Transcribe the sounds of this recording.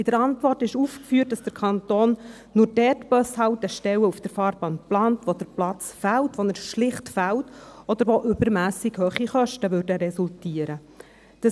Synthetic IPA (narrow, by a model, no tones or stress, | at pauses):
ɪd̥əɾɑntʋɔrtɪʃuːfkfyːt̚dɑsd̥əɾkʰɑnt̪oːnː | ʊːɾdɛtb̥œshɑwtəʃtɛwəufd̥əɾfɑːɾbɑːntplɑːntʋod̥əɾplɑt͡sfæltʋonɛɾʃlɪχtfæltɔd̥̪əɾʋoʔʏbəɾmæːsɪɡhøːχiχœʃtəʋʏrdəɾɛsultiːəɾə | d̥ɑ